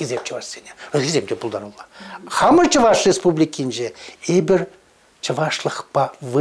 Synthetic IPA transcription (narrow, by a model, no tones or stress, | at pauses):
kʲezet͡ʃʰəvɑʃseneɵzkʲʰezʲemd̪ʲebʊlˠd̪ɑnulˠɑχɑməɾt͡ʃʰəvɑʃɾʲespublʲikʲinʃeebɪɾ | t͡ʃʰəvɑʃlˠəqpɑvɨ